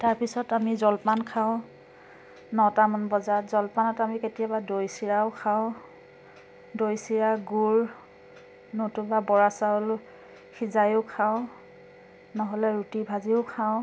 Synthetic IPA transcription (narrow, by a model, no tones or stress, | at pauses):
taɹpisɔtamizɔlpankʰaʊ̃ | nɔtamɔnbɔzatzɔlpanɔtamiketijabadojsiɹaʊkʰaʊ̃ | dojsiɹaɡuɹ | notʊbabɔɹasaol | xʰizajʊkʰaʊ̃ | nɔɦɔlɛɹutibʱaziʊkʰaʊ̃